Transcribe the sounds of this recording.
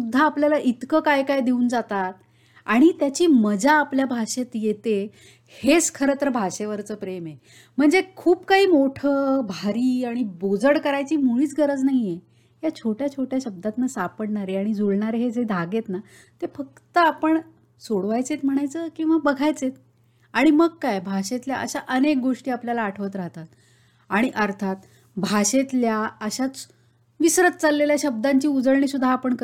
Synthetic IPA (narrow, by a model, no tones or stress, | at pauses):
ud̪ʱːaːpljalaʔit̪kəkajkajd̪euːnd͡zat̪at̪̚ | aɽ̃it̪jat͡ɕiːməd͡zaːpljabʱaʂet̪jet̪e | het͡skʰəɾət̪ɾəbʱaʂeʋəɾt͡səːpɾeme | m̤əɳd͡zekʰuːpkaɦiːmoʈʰəːbʱaɾiːaɽ̃ibod͡zəɽkəɾajt͡ɕiːmuɭiːt͡sɡəɾəd͡znaɦie | jat͡ɕʰoʈjat͡ɕʰoʈjaɕəb̚d̪at̪nasapəɽɳaɾeaɽ̃id͡zuɭɳaɾeɦed͡zed̪ʱaɡet̪na | t̪efək̚t̪əapəɳ | soɽʋajt͡set̪m̤əɽ̃ajt͡səkĩw̃ʋabəɡʱajt͡set̪ | aɽ̃iməɡkajbʱaɕet̪lja̰ʔəɕaʔənek̚ɡoʂʈiːapljalaːʈʰəʋət̪ɾaɦt̪at̪ | aɽ̃iʔəɾt̪ʰat̪ | bʱaɕet̪ljaəɕat͡s | ʋisɾət̪̚t͡salːeljaɕəb̚d̪aɲt͡ɕiːud͡zəɭɳiːsud̪ʱːaːpəɳkə